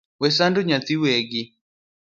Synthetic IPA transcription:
wɛs̬andoɲat̪iweɡɪ

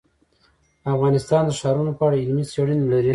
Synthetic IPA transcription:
afɣɑnɪst̪ɑnd̪əʃɑɾunopəaɽaɪlmiseɽənelaɾi

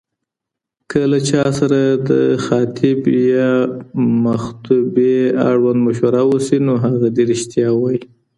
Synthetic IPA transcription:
kʰəlat͡ʃɑsaɾad̪əxɑt̪ʰɪbjɑ | maxt̪ubea̰ɽwand̪maʃwaɾawosinoɦaɣad̪eɾɪʃt̪jɑwaji

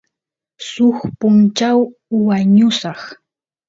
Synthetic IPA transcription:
sʊχpʊnt͡ʃawːaɲʊsɑχ

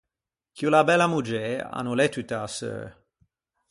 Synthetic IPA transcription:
kjulabɛlamud͡ʒea̰nulɛt̪yt̪asø̰

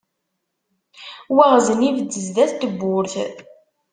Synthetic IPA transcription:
waʁzənivəd̪ːəzðæθt̪əbːʊɾθ

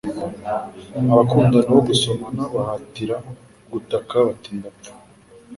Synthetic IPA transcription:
aβakuːndanawoɡuso̞manaβahatiɾa | ɡutakaβatindatu̥

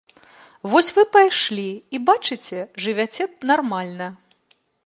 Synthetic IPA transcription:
vɔsʲvɨpajʂlʲiibat͡ʂɨt͡sʲɛʐɨvʲat͡sʲɛnarmalʲnɐ

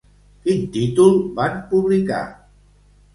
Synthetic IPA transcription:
id̪it̪ulbanpublika̰

